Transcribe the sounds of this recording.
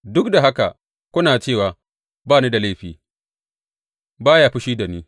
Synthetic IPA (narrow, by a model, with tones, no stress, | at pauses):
dʊ˦kda˨ɦa˦ka̰˨ | kʷʊ˦naː˨t͡ʃeː˦˨waː˨ | baː˦niː˦da˨la˦˨ɸiː˨ | baː˦ja˨ɸi˦ʃiː˦da˨niː˦